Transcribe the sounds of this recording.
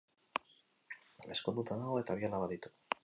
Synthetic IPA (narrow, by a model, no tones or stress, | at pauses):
ameskonut̪anawet̪aβialaβaðit̪u̥